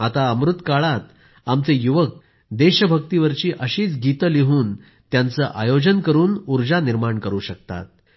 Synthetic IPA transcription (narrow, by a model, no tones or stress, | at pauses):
at̪aəmɾut̪kaɭat̪ | amt͡sejuʋək̚ | d̪eɕəbʱəkt̪iʋəɾt͡ɕiːʔəɕiːt͡sɡit̪əliɦuːn | t̪jant͡səʔajod͡ʑənkəɾuːnuɾd͡ʑaniɾmaɳkəɾuːɕək̚t̪a̰t̪̚